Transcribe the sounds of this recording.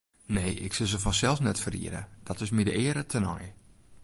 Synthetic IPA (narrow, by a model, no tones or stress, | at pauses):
neːʔɪksɪlˠzəfɔnsɛlˠsnɛtfərḭəɾə̰d̥ɔtɪsmidəɪəɾətʰənɔ̰j